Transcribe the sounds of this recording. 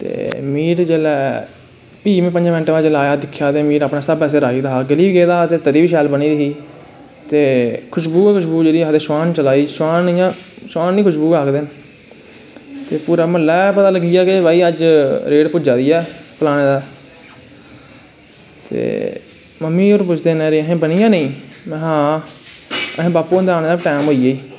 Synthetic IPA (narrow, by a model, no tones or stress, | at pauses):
t̪ḛːmiːʈd͡ʒeːlɛː | piːmẽːpəɲd͡ʒaːmɪ̃nʈːʋaːd͡ʒelaːjaːd̪ɪkʰːjaːd̪eːmiːʈaːpnaːsəbpɛːs̬eːɾaːiːd̪aːaːɡəliːbɡeːd̪aːat̪eːt̪əd̪iːʋiːʃɛːlbəniːd̪ɪɦiː | t̪eːkʰʊʃbuːkʰʊʃbuːd͡ʒeːɽiːd̪eːswaːnt͡ʃəlaːiːswaːnːjãː | saːnĩːkʰʊʃbuːaːkd̪ɪn | t̪eːpuːɾaːməlɛːpət̪aːləɡiːaːkebaːiːəd͡ʒɾeːɽpʊd͡ʒaːd̪iːɛːpəlaːɽ̃ẽːd̪aː | t̪ḛː | məmːĩːoːɾpʊt͡ʃʰd̪eːnẽːɾiːəɦẽːbənijãːnə̃ĩː | mɛ̃ːɦãː | əɦẽːbaːpuːnd̪eaːñeːd̪aːʈɛːmɦoːiːeiː